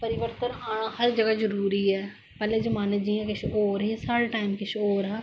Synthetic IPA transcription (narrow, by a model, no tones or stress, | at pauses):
pɐɾɪʋəɾt̪ənɦaːɽ̃ãhɐɾd͡ʒɐɡad͡ʒɐɾuːɾiɦɛː | pɛːled͡ʒɐmaːned͡ʒiãkɪt͡ʃʰoːɾɦisaːɽeʈaːɪmkɪt͡ʃʰoːɾɦɛː